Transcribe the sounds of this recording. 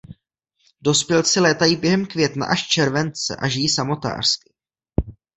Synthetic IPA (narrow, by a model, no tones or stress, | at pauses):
do̞spjɛlsɪlɛːt̪ajibjɛɦɛmkvjɛt̪na̰ʔaʃt͡ʃɛɾvɛnt͡sɛ̰ʔaʒɪjisamo̞t̪a̰ːr̥ski